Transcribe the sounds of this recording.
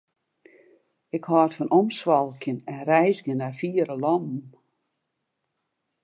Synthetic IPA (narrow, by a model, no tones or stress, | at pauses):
ɪkhɔtfɔnɔmswɔlˠkʰɪnɛnrɛjzɡənafiəɾəlɔmm